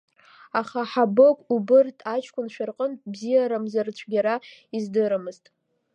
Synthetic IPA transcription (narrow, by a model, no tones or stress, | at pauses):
aχaħabɨkʷʼubɨrtʰat͡ʃʰkʷʰʼʊnʃʷᶣarqʼəntʼbzijaɾamzart͡ɕʷʰɡʲaɾaizdɨɾɨmɨztʼ